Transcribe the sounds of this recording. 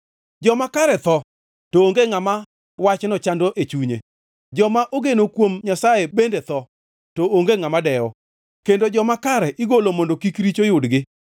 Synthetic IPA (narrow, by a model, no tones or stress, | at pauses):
d͡ʒɔmakaɾɛt̪ɔ | tooŋɡeŋama | wat͡ʃnɔt͡ʃandoʔet͡ʃuɲḛ | d͡ʒɔmaʔoɡenokwomɲasajebendet̪ɔ | tooŋɡeŋamadɛɔ | kendod͡ʒɔmakaɾɛʔɪɡolomondokikɾit͡ʃojʊdɡɪ